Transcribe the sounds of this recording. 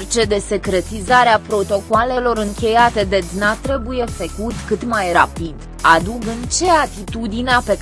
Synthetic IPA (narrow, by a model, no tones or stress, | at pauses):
rt͡ʃe̞d̪e̞se̞kɾe̞t̪izaɾeapɾo̞t̪o̞koale̞lo̞ɾɨŋkʲe̞jat̪e̞d̪et̪nat̪ɾe̞buje̞fekut̪kɨt̪majra̰pid̪ | ad̪uɡɨnt͡ʃe̞at̪it̪ud̪ineape̞